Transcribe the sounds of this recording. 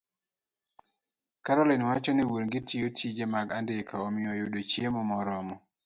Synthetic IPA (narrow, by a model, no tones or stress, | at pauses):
kaɾɔlɛnwat͡ʃɔniwuɾŋɡɪtʰijotʰid͡ʒemaɡandɪkʰaɔmɪɔjʊdot͡ʃjemɔmɔɾɔmɔ